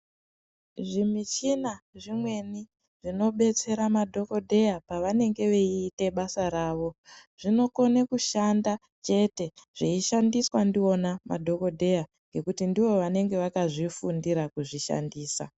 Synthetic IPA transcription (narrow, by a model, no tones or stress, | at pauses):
ʐimit͡ʃinaʐimwe̞ni | ʐino̞ɓe̞t͡se̞ɾamadʱo̞ko̞dʱe̞japaʋane̞ŋɡe̞ʋeiːte̞ɓasaɾaːʋo̞ʐ̥ino̞ko̞nekuʃanda | t͡ʃe̞te̞ʐ̥iiʃandiswandio̞nama̰dʱo̞ko̞dʱe̞ja | ŋɡe̞kutindiʋo̞ʋane̞ŋɡe̞ʋakaʐifundiɾakuʐiʃa̰ndiːsa̰